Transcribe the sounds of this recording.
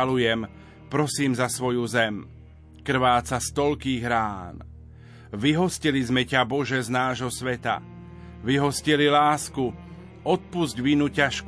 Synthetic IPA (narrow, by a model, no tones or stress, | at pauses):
alujɛm | pɾɔsiːmzasʋɔjuzɛm | kr̩ʋaːt͡sast̪ɔlkiːɣɾaːn | ʋiɦɔscilizmɛcabɔʒɛznaːʒɦɔsʋɛt̪a̰ | ʋiɦɔscililaːsku | ɔt̪̚puzɟʋinucaʃk